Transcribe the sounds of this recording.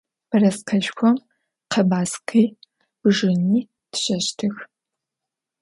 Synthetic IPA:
b̥ɐrɐsqʰɐʃxʷɔm | qʰɐbaːsqʰiː | b̥ɨʒɪniː | tʰɕɐɕtʰɨx

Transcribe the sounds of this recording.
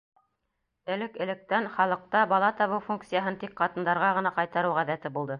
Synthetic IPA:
ɘ̆lɘkɘ̆lɘ̆k̚t̪ænχɑlˠɤ̆q̚t̪ɑbɑlˠɑt̪ɑβɤwfuŋk̚t̪sɨjaɦɤnt̪ik̚qɑt̪ɤ̆nd̪ɑɾʁɑʁɤ̆nɑqɑjt̪ɑɾɤwʁæðæt̪ɘbulˠd̪ɤ

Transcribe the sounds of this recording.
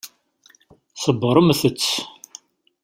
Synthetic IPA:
səbːəɾˤəmθət͡sː

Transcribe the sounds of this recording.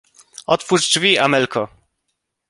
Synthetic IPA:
ɔt̪fuʐd͡ʐvʲiamɛlkʰɔ

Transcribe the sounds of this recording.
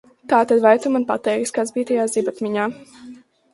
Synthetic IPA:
t̪aːt̪ad̪vajt̪umanpa̰t̪ɛːɾiskaːsbiːt̪ɛjaːzibat̪miɲaː

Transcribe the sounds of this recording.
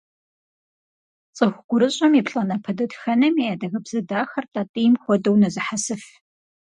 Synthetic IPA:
t͡sʼɨxʷɡ̥ʷʊɾɨɕʼɐmipɬʼaːnɐpʰɐdɐtxɐnɐmijaːdɐɣɐbz̥ɨdaːxɐrtʰʼaːtʼɨjɪmxʷɔdɐwnɐzɨħasɨf

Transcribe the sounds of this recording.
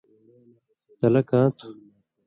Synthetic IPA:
t̪ɐlɐkãːt̪ʰu̥

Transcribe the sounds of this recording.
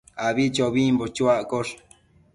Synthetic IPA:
aβit͡ʃoβimbot͡ʃuaʔkoʂ

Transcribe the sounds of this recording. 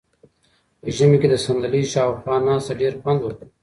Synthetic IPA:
əʒəmeked̪əsand̪aliʃɑːxwɑːnɑːst̪aɖeɾxwand̪wək

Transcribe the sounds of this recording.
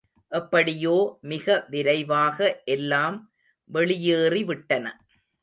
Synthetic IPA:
ʔɐpːɐɽɪjoːmɪɣɐʋɪɾɐɪʋaːɣɐʔɛlːaːm | ʋɛɭɪjeːriʋɪʈːɐnɐ

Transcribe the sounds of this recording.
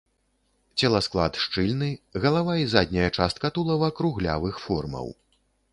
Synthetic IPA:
t͡sʲɛlˠɐsklˠa̰t̪ʂt͡ʂɨlʲnɨɣɐlˠavaizad̪ʲnʲɐjɐt͡ʂast̪̚kɐt̪ulˠɐwɐkɾuɣlʲa̰vɨxfɔrmɐ̰w

